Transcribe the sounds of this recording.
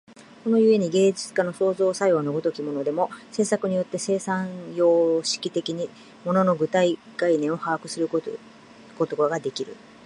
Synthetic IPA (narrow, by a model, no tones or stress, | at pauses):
ko̞no̞ɯ̟e̞ɲ̟iɡe̞ːd͡ʑit͡sɨ̥kano̞so̞ːzo̞ːsaionoɡot̪o̞kʲimo̞no̞d̪e̞mo̞se̞ːsakɯ̟ɲ̟ijo̞t̪ːe̞se̞ːsãjo̞ːɕi̥kʲit̪e̞kʲiɲ̟i | mo̞no̞no̞ɡɯ̟t̪ai | ɡ̥ainẽ̞ɰ̃o̞haakɯ̟sɨɾɯ | ko̞t̪oɡaɡad̪e̞kʲiɾɯ̟̰